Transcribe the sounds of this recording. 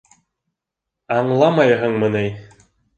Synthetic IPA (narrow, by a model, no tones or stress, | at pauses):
ɑɴlˠɑmɑjɦɤ̆ɴmɤ̆nɘj